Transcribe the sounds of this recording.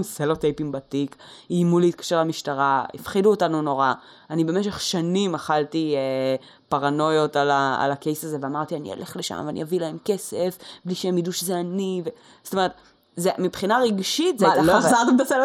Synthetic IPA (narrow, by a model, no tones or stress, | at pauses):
mselotejpiŋbatikiːmuleit̪̚kḁʃeʁlamiʃtaʁaḭfχiduotanuno̞ʁa | anibe̞meʃ̬eχʃanimaχaltie | paʁano̞jo̞talaa̰lake̞jsazeveamaʁt̪ianḭo̰lʔe̞χleʃa̰mveanḭavilahe̞mke̞sefbliʃeemjiduʃezeanive | zo̥tome̞et̪ | zemipχinaʁeɡʃitzeajtaloazaʁt̪emt̪aselo